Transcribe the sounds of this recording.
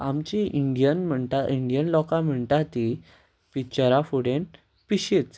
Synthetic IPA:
amt͡ɕiʔiɳɖijənm̤əɳt̪aʔiɳɖijənlɔkam̤əɳt̪at̪i | pit͡ɕəɾafuɽen | piɕet͡s

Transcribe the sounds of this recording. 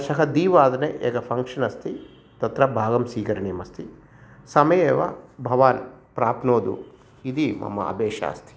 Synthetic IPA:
ʃɐɦɐd̪iːʋaːd̪ɐneʔeːɡɐpʰɐŋkʂɐnɐst̪ʰi | t̪ɐt̪ɾɐbʱaːɡɐmsiːkɐɾɐniːmɐst̪ʰi | sɐmɐjeːʋɐ̰bʱɐʋaːlpɾaːpnoːd̪ṵ | id̪imɐ̰mːɐ̰ɐ̰beːʃa̰ːst̪ʰi̥

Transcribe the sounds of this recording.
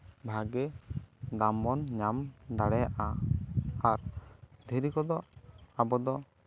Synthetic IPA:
bʱaɡɛd̪ambɔnɲamd̪aɽɛjaʔa | aɾd̪ʱiɾikɔd̪ɔabɔd̪ɔ

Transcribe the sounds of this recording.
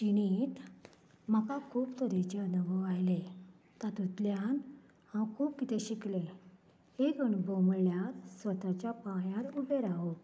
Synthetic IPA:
t͡ɕiñit̪ | m̤akakʰuːbt̪ʰoɾet͡ɕanəʋɔajle | t̪at̪ut̪ljan | hãwkʰuːpkit̪eɕiklẽ | ekəɳboməɭljaɾsʋət̪at͡ɕjapãjãɾubeɾaɦo

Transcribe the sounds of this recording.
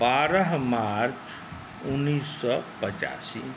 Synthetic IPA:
baːɾəɦmaɾt͡ʃ | ʊnːiːsːɔpət͡ʃa̰ːsi

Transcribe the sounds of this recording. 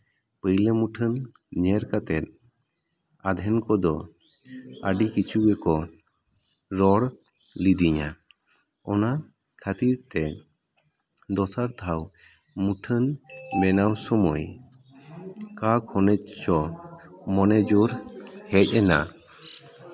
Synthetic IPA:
pəjləmuʈʰən | ɲɛɾkat̪ɛt̪̚ | ad̪ʱɛnkɔd̪ɔ | aɖikit͡ʃʰuɡɛkɔ | ɾɔɾ | lid̪iɲa̰ | ɔna | kʰat̪iɾt̪ɛ | d̪ɔsaɾt̪ʰaw | muʈʰənmɛnawsɔmɔj | kakhɔnɛc̚t͡ʃɔ | mɔnɛd͡ʒuɾhɛc̚ˀɛna̰

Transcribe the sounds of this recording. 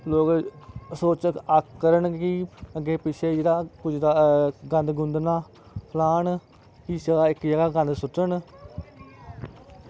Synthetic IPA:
loːksoːt͡ʃəkkːəɾəɳkɪəɡːeːpɪt͡ʃʰeːd͡ʒed̪aːkʊd͡ʒd̪aːɡə̃nd̪ɡʊ̃nd̪naː | pʰlaːn | kid͡ʒəɡaːɪkd͡ʒəɡaːɡə̃nd̪sʊʈːən

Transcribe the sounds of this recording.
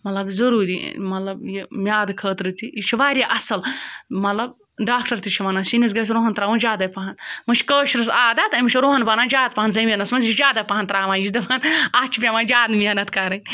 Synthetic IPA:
mɐt̪lɐbzɐɾuːɾḭmɐt̪lɐbjimʲjaːd̪kʰəːt̪ɾɨt̪iit͡ʃʰiʋaːɾʲaʔɐsɐlmɐt̪lɐb | ɖaːkʈɐɾt̪it͡ʃʰiʋɐnaːsinis̬ɡɐs̬ɾoːɦɐnt̪ɾaːʋũnd͡ʒaːd̪ɐjpɐɦɐnmɨt͡ʃʰʲkəːʃɾɨsaːd̪ɐt̪ɐmit͡ʃʰiɾoːɦɐnbɐnaːnd͡ʒaːd̪̚pɐɦɐnzɐmʲenɐsmɐnzit͡ʃʰd͡ʒaːd̪ɐpɐɦɐnt̪ɾaːʋaːnjit͡ʃd̪ɐʋɐnaːt͡ʃʰipʲemaːnd͡ʒaːd̪mʲenɐt̪kɐɾɐnʲ

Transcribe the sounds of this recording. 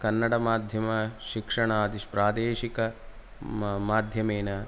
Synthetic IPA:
kɐnːɐɽɐmaːd̪ʱjɐmɐʃikʂɐɳaːd̪iʂpɾaːd̪eːʃikɐ | maːd̪ʱjɐmeːnɐ

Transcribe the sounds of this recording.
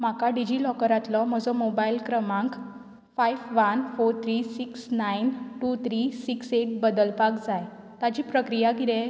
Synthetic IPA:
m̤akaɖid͡ʑilɔkəɾat̪lɔm̤əd͡zɔmobailkɾəmãŋk | fajʋʋənfoɾt̪ʰɾisiksnainʈut̪ʰɾisikseʈ̚bəd̪əlpakd͡zaj | t̪at͡ɕiːpɾəkɾijaɡʱiɾe

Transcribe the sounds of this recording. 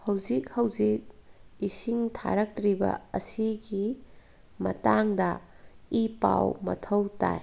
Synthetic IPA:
hɐwzik̚hɐwd͡ʒik̚isiŋtʰa̰ɾɐk̚tɾibɐ̰ɐsiɡi | mɐ̰taŋdɐ | ipa̰wmɐ̰tʰɐwta̰j

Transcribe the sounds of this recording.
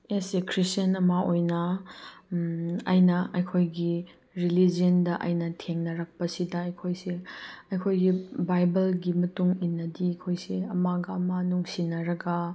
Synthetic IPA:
esekʰɾistjɐnɐmaojnɐ | ɐ̰jnɐɐjkʰojɡi | ɾilid͡ʒiɐndɐʔɐ̰jnɐtʰeŋnɐɾɐk̚pɐsidɐɐjkʰojseɐjkʰojɡibajbɐlɡimɐtuŋinːɐdiɐjkʰojseɐmaɡɐmanuŋsinɐɾɐɡɐ

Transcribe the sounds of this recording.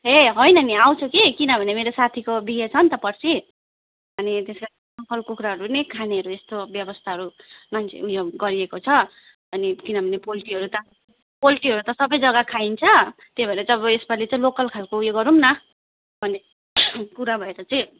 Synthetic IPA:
ɦeɦojnʌniaw̃t͡sʰukikinʌbʱʌnemeɾosat̪ʰikobiɡet͡sʰʌnt̪ʌpʌrt͡sʰi | ʌnit̪eska | sʌmpʰʌlkukɾaɦʌɾunekʰaneɦʌɾuest̪objʌbʌst̪ʰaɦʌɾumant͡sʰḛujoɡʌɾiekot͡sʰʌ | ʌnikinʌbʱʌnepoliʈiɦʌɾut̪ʌ | poliʈiɦʌɾut̪ʌsʌbʌjd͡zʌɡakʰaint͡sʰʌt̪ebʌeɾʌt͡saʌbʌespʌlet͡saĩlokʌlkʰalkoujoɡʌɾumnʌ | b̥ʱʌne | kuɾabʱʌeɾʌt͡sʌĩ

